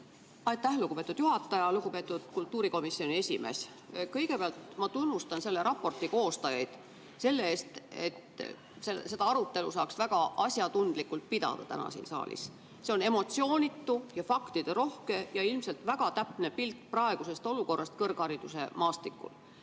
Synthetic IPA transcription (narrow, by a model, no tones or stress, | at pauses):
ɑjt̪æhluɡ̥upe̞ːt̪ːud̪juɦɑt̪ːˑɑjɑluɡupe̞ːt̪ːˑud̪̥kult̪ːuːɾiko̞misːio̞nʲie̞sʲime̞̰ːs | kɤjɡ̥e̞peɑlt̪mɑt̪unːust̪ɑnse̞lːe̞ɾɑpːo̞rt̪ˑiko̞ːst̪ɑjɑjd̪̥ | se̞lːeeːst̪e̞̰t̪ | sese̞d̪ɑɑɾut̪ːe̞lusɑːksvæɡ̥ɑʔɑsʲjɑd̪und̪̥likːult̪̚pid̪ɑ̰d̪̥ɑt̪æ̰nɑ̰sḭːnsɑ̰ːlḭs | se̞one̞mo̞t̪sio̞ːnʲit̪ːˑujɑfɑkt̪id̪̥eɾo̞hke̞jɑilmse̞lt̪væɡ̥ɑt̪æpne̞pilt̪ˑprɑe̞ɡ̥use̞st̪o̞luko̞rːɑst̪̚kɤrɡ̥hɑɾid̪̥use̞̰mɑːst̪ikːˑṵl